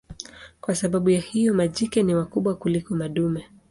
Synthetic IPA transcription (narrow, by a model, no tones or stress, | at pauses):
kwasaɓaɓujahijɔmaʄikɛniwakuɓwakulikɔmaɗumɛ